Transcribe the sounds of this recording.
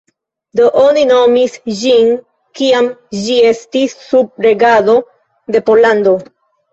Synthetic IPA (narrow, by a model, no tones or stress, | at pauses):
do̞ʔo̞nino̞misd͡ʒin | kiamd͡ʒie̞stisːub̚ɾe̞ɡado̞ | de̞po̞lando̞